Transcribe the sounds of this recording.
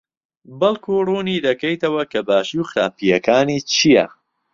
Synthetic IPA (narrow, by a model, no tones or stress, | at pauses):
bɐlkʰuːruːniːd̪ɐkɐjt̪ɐwɐkʰɐbaːʃiwxɾa̰ːpijɐkʰaːniːt͡ʃʰijɐ̰